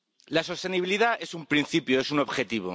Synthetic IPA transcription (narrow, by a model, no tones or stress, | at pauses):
laso̞st̪e̞niβiliðae̞sumpɾĩn̟θipjoe̞suno̞βxe̞t̪iβ̞o̰